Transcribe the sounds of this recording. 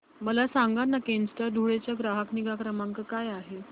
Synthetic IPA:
məlasaŋɡanːakensʈad̪ʱuɭet͡ɕjaɡɾaɦəkniɡakɾəmãŋkəkajaɦe

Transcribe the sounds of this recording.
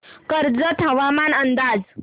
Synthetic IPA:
kəɾd͡zət̪əʋamanənd̪ad͡z

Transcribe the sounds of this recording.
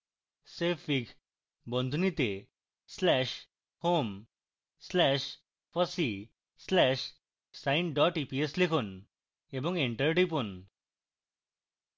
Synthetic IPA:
sefiɡ | bənd̪ʱunit̪e | slɛɕ | hom | slɛɕ | fəsi | slɛɕ | sainɖɔʈipieslekʰun | ebɔŋɡiɳʈəɾʈip̬un

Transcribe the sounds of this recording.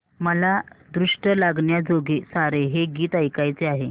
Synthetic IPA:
məlad̪ɾuʂʈəlaɡɳjad͡zoɡesaɾeɦeɡiːt̪ajkajt͡seaɦe

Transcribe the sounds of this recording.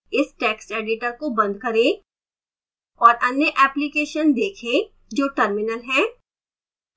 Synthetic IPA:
ɪsʈɛːksʈeːɖɪʈəɾkobɐ̃nd̪̚kɐɾẽ | ɔːɾʔɐnjəʔɛːplikeːʃənd̪eːkʰẽ | d͡ʒoːʈəɾmɪnəlɦɛ̃ː

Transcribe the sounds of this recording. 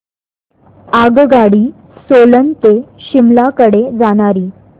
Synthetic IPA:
aɡɡaɽiː | solənt̪eɕimlakəɽed͡zaɽ̃aɾiː

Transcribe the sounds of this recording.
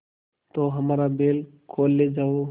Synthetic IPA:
t̪oɦəmaːɾabeːl | kʰoːlːed͡ʒaːo

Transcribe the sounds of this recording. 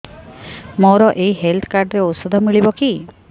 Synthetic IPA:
moɾɔʔeiɦelt̪ʰɔ̥kaɾɖɾeot̪sɔd̪ʱɔmiɭibɔki

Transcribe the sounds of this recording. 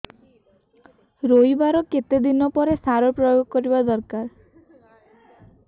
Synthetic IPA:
ɾojbaɾɔket̪ed̪inɔpɔɾesaɾɔpɾɔjoɡɔkɔɾibad̪ɔɾkaɾ

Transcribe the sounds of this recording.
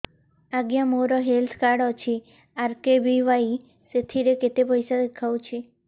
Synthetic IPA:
aɡjamoɾɔɦelt̪ʰkaɽɔt͡ʃʰi | aɾkebiʋai | set̪ʰiɾeket̪epəjsad̪ekʰawũt͡ʃʰi

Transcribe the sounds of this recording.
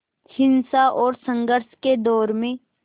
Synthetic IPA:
hɪ̃nsaʔɔːɾsə̃ŋɡəɾsked̪ɔːɾmẽ

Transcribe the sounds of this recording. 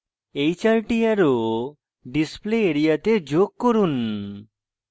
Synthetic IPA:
ejt͡ɕalʈiaɾo | ɖispleeɾijat̪ed͡ʑoɡ̚koɾun

